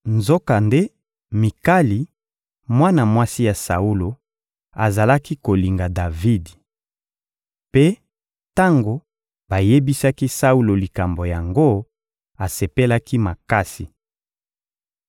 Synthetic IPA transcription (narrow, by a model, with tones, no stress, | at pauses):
nzo˦ka˨nde˦ | mi˨ka˦li˨ | mwa˦na˨mwa˦si˦ja˨sa̰˨u˦lo˨ | a˨za˨la˦ki˦ko˨li˨ŋɡa˨da˨vi˦di˨ | pe˦ | ta˦ŋɡo˨ | ba˨je˦bi˦sa˦ki˦sa˦u˦lo˨li˨ka˨mbo˨ja˨ŋɡo˦ | a˨se˨pe˦la˦ki˦ma˨ka˦si˨